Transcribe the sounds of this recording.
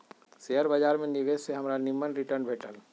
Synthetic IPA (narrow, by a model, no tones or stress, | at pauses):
seəɾbəd͡ʒaːɾmẽniʋeːsseɦɐmɾanɪmːənɾɪʈəɾnbʱeːʈəl